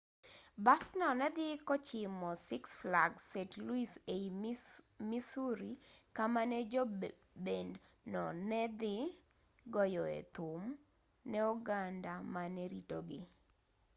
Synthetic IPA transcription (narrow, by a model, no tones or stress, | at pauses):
bastnɔnɛd̪ɪkɔt͡ʃɪmɔsɪksflaɡsetluisei | misuɾikamanɛd͡ʒɔ | bend | nɔnɛd̪ɪ | ɡɔjɔɛ̰t̪ʊm | nɛɔɡandamanɛɾitoɡɪ